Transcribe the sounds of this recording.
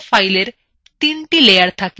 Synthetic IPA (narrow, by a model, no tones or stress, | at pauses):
fajleɾ | t̪inʈilejaɾt̪ʰak